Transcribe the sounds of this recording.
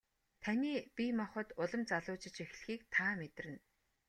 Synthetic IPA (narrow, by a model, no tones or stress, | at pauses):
t̪ʰæniːpʲimɔχə̆t̪ʊɮə̆mt͡saɮʊːt͡ɕɪ̆t͡ɕex̆ɮ̆xiːk̚t̪ʰaːmet̪rɘ̆n